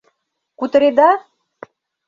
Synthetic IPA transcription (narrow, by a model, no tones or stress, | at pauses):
kut̪ə̆ɾed̪ɑ